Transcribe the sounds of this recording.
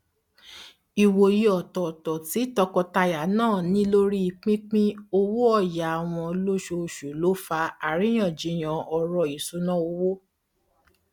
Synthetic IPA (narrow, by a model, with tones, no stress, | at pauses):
i˨wo˨ji˨ɔ˨tɔ˨tɔ˨ti˨˦tɔ˧kɔ˧ta˧ja˨˦nãː˦˨nĩ˦lo˦ɾi˦i˧k͡pĩ˦k͡pĩ˦o˧wo˦ɔ˦˨ja˨a˨w̃ɔ̃˧lo˦ʃo˧˨ʃu˨lo˦fa˧a˨ɾĩ˨˦j̃ã˦˨d͡ʒi˨˦j̃ã˧ɔ˧ɾɔ˧i˨su˨˦nã˦˨o˧wo˦